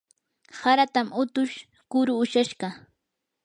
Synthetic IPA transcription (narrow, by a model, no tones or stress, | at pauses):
haɾat̪amʊt̪ʊʃ | kʊɾʊːʃaʃɢɑ